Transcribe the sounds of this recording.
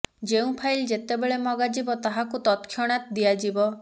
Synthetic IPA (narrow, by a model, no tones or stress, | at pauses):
d͡ʒeũpʰajld͡ʒet̪ebeɭemɔɡad͡ʒibɔt̪aɦakut̪ɔt̪kʰjɔɽ̃at̪̚d̪iad͡ʒibɔ